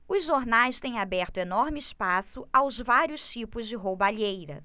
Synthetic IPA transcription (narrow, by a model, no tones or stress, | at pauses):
ʊzʒoɾnajst̪ẽj̃abɛɾt̪ʊenɔɾmɪɪspasʊawzvaɾjʊst͡ʃipʊzd͡ʒɪɦobaʎejɾɐ̰